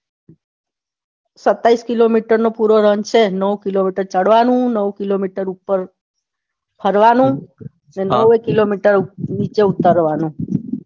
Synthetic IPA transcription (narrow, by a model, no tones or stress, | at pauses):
sət̪ːaiskilomiʈəɾnopuɾoɾənt͡ʃʰenəwkilomiʈəɾt͡ʃəɽʋanũnəwkilomiʈəɾupəɾ | pʰəɾʋanũ | nenəwekilomiʈəɾnit͡ʃeut̪əɾʋanũ